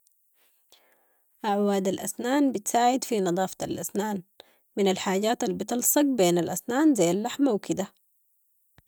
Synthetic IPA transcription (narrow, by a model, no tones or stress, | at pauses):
ʔaʕwaːd̪alʔasnaːnbɪt̪saːʕɪd̪finɨd̪ˤɑːft̪alʔasnaːn | mɪnalħaːɟaːt̪albɪt̪ɑlsˤɑɡ̚beːnalʔasnaːnzajːalːaħmawkɪd̪a